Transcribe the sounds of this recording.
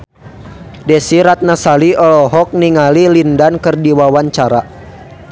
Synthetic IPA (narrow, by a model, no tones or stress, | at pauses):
dɛsiɾat̪̚nasaliɔlɔɦɔk̚niŋalilindankɨrdiwawaɲt͡ʃaɾa